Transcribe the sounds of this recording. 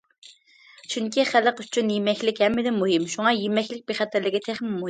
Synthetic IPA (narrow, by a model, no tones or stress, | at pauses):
t͡ʃʰyŋkʲiχæləqy̥t͡ʃʰynjemɛkʲlɪkʲhɛmːɪd̪ɪmuɦɪmʃuŋɑjemɛkʲlɪk̚ʲbeχɛt̪ɪɾlɪɡʲit̪ʰæχmɪmuɦ